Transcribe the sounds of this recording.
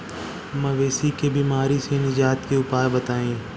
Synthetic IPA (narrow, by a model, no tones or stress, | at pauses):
mɐʋeːsikebiːmaːɾisenɪd͡ʒaːt̪keʊpaːɾbət̪aːĩː